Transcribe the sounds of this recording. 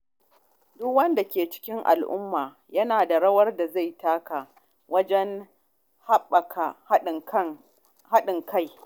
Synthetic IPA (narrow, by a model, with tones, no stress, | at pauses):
dʊ˦kwɐ˦nda˨kʲeː˨t͡ʃɪ̥˦kʲɪ˦ŋʔa̰˨lʔʊ̰˦mːaː˨ | jɐ˦naː˨da˨ɽɐ˦wɐ˦rda˨za˦˨jtaː˦ka˨ | wɐ˦d͡ʒɛ˦ŋ | ha˦ɓɐ˨kʰa˨˦ | ha˦ɗɪ˨ŋka˦˨j